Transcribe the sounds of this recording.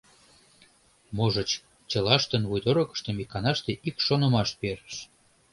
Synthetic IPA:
moʒə̆t͡ɕ | t͡ɕə̆lɑʃt̪ənvujd̪oɾɤ̆kə̥ʃt̪ə̆mikːɑnɑʃt̪eʔikʃonə̆mɑʃpeɾə̥ʃ

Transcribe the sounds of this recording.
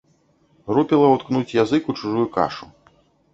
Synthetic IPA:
rupʲilˠɐwt̪knut͡sʲjazɨkut͡ʂuʐujuka̰ʂu

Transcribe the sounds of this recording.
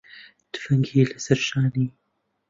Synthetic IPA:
t̪ɨ̥fɐŋɡiːlɨsɐɾʃaːniː

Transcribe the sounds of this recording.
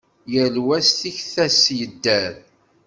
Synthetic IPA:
jəlwæsθiçθæsjəd̪ːæɾ

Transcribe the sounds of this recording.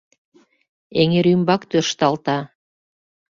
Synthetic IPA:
eŋeɾymbɑkt̪ørʃt̪ɑlt̪ɑ

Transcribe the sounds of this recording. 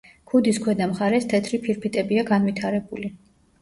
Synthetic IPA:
kʰud̪iskʰwɛd̪amχaɾɛst̪ʰɛt̪ʰɾipʰiɾpʰit̪ʼɛbiaɡanvit̪ʰaɾɛbuli

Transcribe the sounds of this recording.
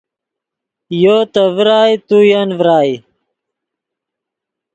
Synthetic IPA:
joːt̪əvɾaːjt̪ujɐnvɾaːj

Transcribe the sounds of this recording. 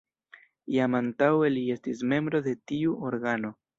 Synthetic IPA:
jamantawe̞lie̞stis̬me̞mbɾo̞de̞tiuoɾɡano̞

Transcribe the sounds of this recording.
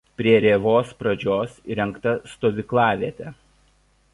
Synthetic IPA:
pʲɾʲiɛɾʲeːʋoːspɾɐd͡ʒʲoːsɾʲɛŋˑkt̪ɐst̪oːʋʲɪklˠɑːʋʲiɛt̪ʲɛ

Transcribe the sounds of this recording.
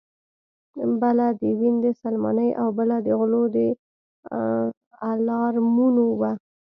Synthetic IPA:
balad̪əwind̪əsalmɑ̰nəjʔawbəlad̪əɣlod̪ə | alɑɾmunowa

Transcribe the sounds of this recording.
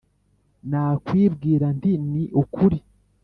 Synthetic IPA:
naːkwiːbɡiːɾandiniʔukʰuɾi

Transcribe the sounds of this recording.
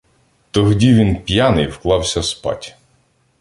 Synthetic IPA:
t̪ɔɦdʲiʋʲinpʲjanɪjwklˠɑwsʲɐspɑ̰tʲ

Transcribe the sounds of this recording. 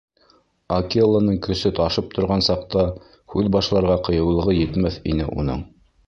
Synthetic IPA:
akilˠanɤɴkɵ̆sɵt̪ɑʃɤp̚t̪ʰŏɾʁɑnsɑqt̪ɑ | hʉðbɑʃlˠɑɾʁɑqɤ̆jɤ̆wlˠɤ̆ʁɤjɘ̆t̪mæθḭnɘ̰ʔṵnɤ̰ɴ

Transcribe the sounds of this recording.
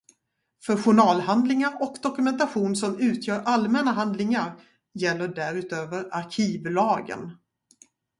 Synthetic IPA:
fœɾɧʊɳɑːlhand̪lɪŋaɾɔkd̪ɔkɵmɛnt̪aɧuːnsɔmʉ̟ːt̪ʰjœːɾʔalmɛnaɦand̪lɪŋaɾ | jɛlːəɖæɾʉ̟ːt̪øːvəɾaɾkʰiːvlɑːɡə̰n

